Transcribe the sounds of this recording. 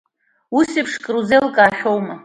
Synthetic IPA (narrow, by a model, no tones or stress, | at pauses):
usipʰʂkʼruzelkʼaːħʲᶣowma